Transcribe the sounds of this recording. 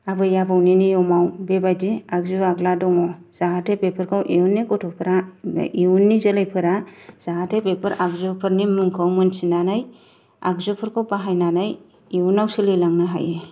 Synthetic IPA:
abɯjabawninijɔmawbebajdeaɡzɯaɡladɔŋɔ | z̥aɦatʰepepʰɯɾkʰawʔiunːikɔtʰɔpʰɯɾaiunːizəlajpʰɯɾaz̥aɡatʰepepʰɯɾaɡzɔpʰɯɾnimɯŋkʰawmɯnsinanaj | aɡzɔpʰɯɾkʰawpaɦajnanaj | iunawsɯlɯjlaŋnɯɦa̰je

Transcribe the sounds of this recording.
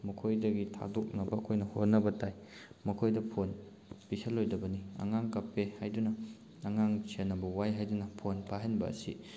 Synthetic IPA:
mɐkʰojdɐɡitʰa̰dok̚nɐbɐɐkʰojnɐhot̚nɐbɐtaj | mɐkʰojdɐpʰon | pisɐlːojdɐbɐniɐ̰ŋaŋkɐpːehajdunɐː | ŋaŋt͡ʃʰenːɐbɐwajɦajdunɐpʰonpaɦɐnbɐɐ̰si

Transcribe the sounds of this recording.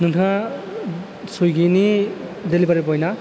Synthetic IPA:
nɯntʰa | sujɡinidelibaɾibɔjna

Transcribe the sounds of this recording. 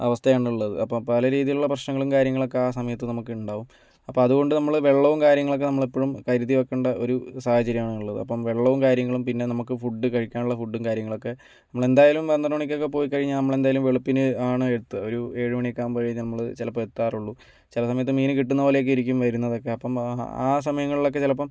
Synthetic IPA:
ɐ̰ʋɐst̪ʰɐjaːɳuɭːɐðɨ̰ɐpːɐmpɐlɐɾiːðijiluɭːɐprɐɕnɐŋːɐɭumkaːɾjɐŋːɐɭo̞kːeaːsɐmɐjɐt̪ːɨnɐmukːɨuɳɖaːʋum | ɐpːɐmɐðuɣo̞ɳɖɨnɐmːɐɭʋe̞ɭːɐʋumkaːɾjɐŋːɐɭo̞kːe̞nɐmːɐɭipːo̞ːɻumkɐɾuðiʋokːeːɳɖɐʔo̞̰ɾusaːhɐt͡ɕɐɾjɐmaːɳɨuɭːɐðɨ̰ɐpːɐmʋe̞ɭːɐʋumkaːɾjɐŋːɐɭumpinːe̞nɐmukːɨfuɖːɨkɐɻikʲːaːnuɭːɐfuɖːumkaːɾjɐŋːɐɭo̞kːe̞ | nɐmːɐɭe̞nd̪aːjaːlumʋɐnd̪ɐɳoːɳik̬ʲːo̞kːe̞p̬o̞ːjikːɐɻiɲːanɐmːɐɭe̞nd̪aːjalumʋeɭupːinɨaːɳɨeɽut̪ːɨoɾue̞ːɻuʋɐɳiekːaːmpɐɻɐjinɐmːɐɭɨt͡ɕilɐpːɐet̪ːaːruɭːu | t͡ɕilɐsɐmɐjɐt̪ːɨmiːnɨkiʈːunːɐpoːlejokːiɾik̬ʲːumʋɐɾunːɐðo̞kːe̞ɐpːɐma̰ːs̬ɐmɐjɐŋːɐɭiɭo̞k̬ːe̞t͡ɕilɐpːɐm

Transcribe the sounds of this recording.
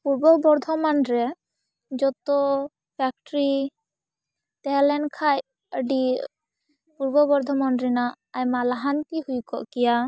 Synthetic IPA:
puɾbɔbɔɾd̪ʱɔmanɾɛ | d͡ʒɔt̪ɔ | pʰɛk̚ʈɾi | t̪ɛɦlɛnkʰaj | əɖi | puɾbɔbɔɾd̪ʱɔmɔnɾɛnaː | jmalaɦank̪ihujkɔ̰ʔkija

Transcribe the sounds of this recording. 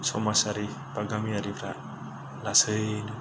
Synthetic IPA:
sʰomasaɾipaɡamiaɾipɾa | lasʰɯnu

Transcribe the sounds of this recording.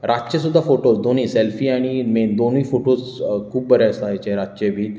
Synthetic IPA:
ɾad͡ʑt͡ɕesud̪ʱːafoʈosd̪oniːselfiːaɽ̃imend̪onĩːfoʈos | kʰuːbbəɾaəsajt͡ɕẽɾad͡ʑt͡ɕebʱiːt̪

